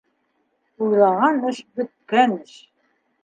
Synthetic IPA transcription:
ujðˠɑʁɑnɘʃbɵ̆t̪̚kænɘʃ

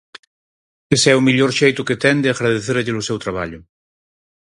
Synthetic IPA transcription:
esɛumiʎoɾʃejt̪ʊket̪ɛnd̪eaɣɾaðeθeɾʎelʊsɛwt̪ɾaβaʎʊ

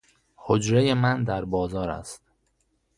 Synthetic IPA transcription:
hod͡ʒɾeje̞mænd̪æɾbɒːzɒːɾæ̰st̪

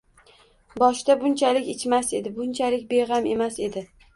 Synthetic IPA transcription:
bɒʃt̪abʊnt͡ʃʰalɪkʲɪt͡ʃmase̞d̪ɪbʊnt͡ʃʰalɪkʲbeʁame̞mase̞d̪ɪ

